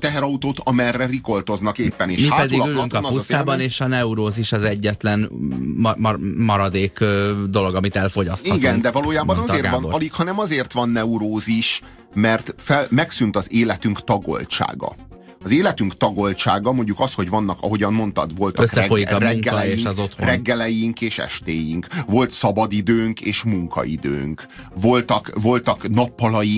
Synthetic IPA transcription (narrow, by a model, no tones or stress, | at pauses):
t̪ɛɦɛɾɒut̪oːt̪ɒmɛrːɛriko̞lt̪o̞znɒkeːpːɛneːʃmihaːpɛd̪ilɒyllyŋkɒnɒust̪aːbɒneːʃɒnɛuɾoːziʃɒzɛɟːɛt̪lɛn | mɒɾɒd̪eːkød̪o̞loɡɒmit̪ɛlfo̞ɟɒst̪ɒɡ̪ɛnd̪ɛvɒloːjaːbɒnɒeːrvɒnːlikhɒnɛmɒzeːrt̪ʋɒnːɛuɾoːziʃ | mɛrt̪fɛlmɛksynt̪ɒzeːlɛt̪yŋkt̪ɒɡo̞̰lt͡ʃa̰ːɡɒ̰ | ɒzeːlɛt̪yŋkt̪ɒɡo̞lt͡ʃaːɡɒmo̞ɲɟukɒsho̞ɟʋɒnːɒkɒ̰ɦo̞ɟɒmmo̞nt̪ɒ̰d̪vo̞lt̪ɒøskːɛɛojikrɛːɛlɛjeiʃzot̪hoɾɛɡːɛlɛjiŋkeːʃɛ̰ʃt̪eːjiŋkvo̞lt̪sɒbɒd̪id̪øːŋkeːʃmuŋkɒ̰ḭd̪ø̰ːŋk | vo̞lt̪ɒkvo̞lt̪ɒknɒpːɒlɒji